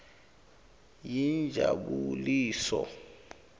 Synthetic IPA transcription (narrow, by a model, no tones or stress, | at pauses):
jind͡ʒʱaɓuliːsɔ